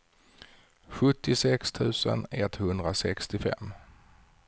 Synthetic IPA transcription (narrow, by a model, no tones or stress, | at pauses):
ɧɵt̪ːɪsɛkst̪ʰʉ̟ːsə̰nɛt̪ːhɵnd̪ɾasɛkst̪ɪfɛ̰mː